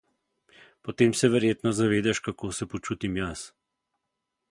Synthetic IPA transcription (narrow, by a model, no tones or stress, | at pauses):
pɔt̪eːmsɛʋɛɾjeːt̪nɔzaʋeːd̪aʃkakoːsɛpɔt͡ʃuːt̪imjas